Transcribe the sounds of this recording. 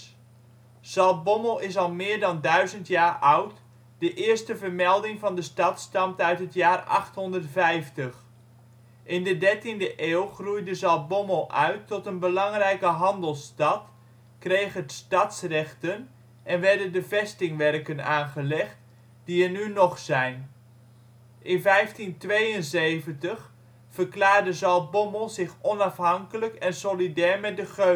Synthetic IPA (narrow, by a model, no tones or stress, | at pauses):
z̥ɑlˠt̚bɔməlˠɪs̬ɑlˠmɪːɹdɑndœɥzəntjaːrʌwt | d̥əʔɪːɹstəvəɹmɛlˠdɪŋvɑndəstɑtstɑmtœɥtɦətjaːrɑ̰χtɦɔndərtfɛjftəχ | ʔɪndədɛɹtindəʔeːwˠχrujdəzɑlˠt̚bɔməlˠʔœ̰ɥtʰːɔtənbəlɑŋrɛjkəɦɑndəlˠstɑt | krejχədstɑtsrɛχtən | ʔɛnʋɛɹdəndəvɛstɪŋʋɛrkənaːnχəlɛχt | d̥iənynɔχsɛjn | ʔɪnvɛjftintʋejənzejvəntəχ | fəɹklaːɹdəzɑl̚ˠbɔməlˠzɪχɔnɑfɦɑŋkələkɛnsolidɛːɹmɛt̚dəχø